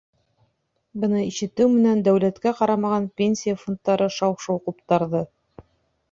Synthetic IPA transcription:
bɤ̆nɤiʃɘ̆t̪ɘwmɘ̆nænd̪æwlæt̪kæqɑɾɑmɑʁɑnpʲenʲsʲijafont̪ːɑɾɤʃɑwʃowqupt̪ɑɾðɤ

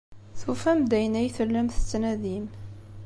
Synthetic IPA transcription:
θufæmd̪æjənæjθəlːəmθə̥t͡sːnæðim

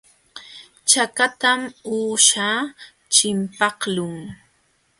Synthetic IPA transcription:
t͡ʃakat̪amuːʃa | t͡ʃɪmpɑhlʊŋ

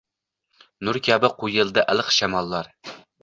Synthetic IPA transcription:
nʊɾkʲʰæbɪqʰujɪlˠd̪ɨʔælˠəqʃæmɑlˠːɑɾ

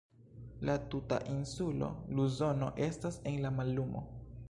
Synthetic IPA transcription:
latuta̰ʔinsulo̞̰luzo̞no̞̰ʔe̞stase̞nlamalːumo̞̰

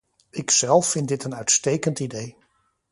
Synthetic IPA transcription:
ɪksɛlˠfːɪndɪtənœɥtstejkəntidej

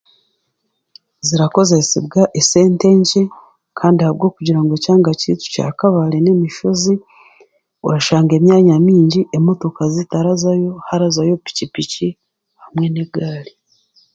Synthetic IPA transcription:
ziɾako̞ze̞sebɡaʔese̞ːnte̞ːɲce | kʰaːndihaβɡo̞ːkuɟiɾaŋɡo̞caːŋɡacḭtu̥ca̰ːkaβale̞ne̞miʃozi | o̰ɾaʃaːŋɡe̞ːmjaːɲamiːɲɟiʔemo̞to̞kazitaɾazajo̞haɾazajo̞pi̥cipici | hamwe̞neɡaːli

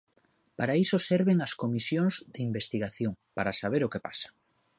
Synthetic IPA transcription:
paɾaisosɛɾβeŋɐskomisjoŋzðɪimbest̪iɣaθjoŋpaɾasaβeɾokepasḁ

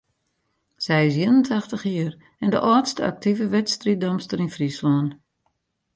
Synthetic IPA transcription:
sɛjɪs̬jiənəntʰaxtəxiər | ɛndə̰ʔɔːtstəa̰k̚tʰivəʋɛtstridɔmstəɾinfrislɔːn

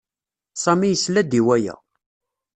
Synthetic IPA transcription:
sˤɑmijəslæd̪iwæjæ̰

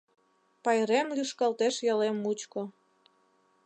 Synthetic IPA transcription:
pɑjɾemlyʃkɑlt̪eʃjɑlemut͡ɕko

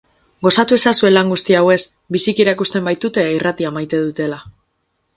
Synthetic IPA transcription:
ɡo̞sat̪ue̞sasue̞laŋɡust̪iawe̞s | bisikiɾaikust̪e̞mbajt̪ut̪e̞irat̪iamajt̪e̞ðut̪e̞la

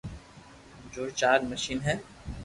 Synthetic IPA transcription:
d͡ʒoːt͡ʃaːɡməʃiːnɦɛː

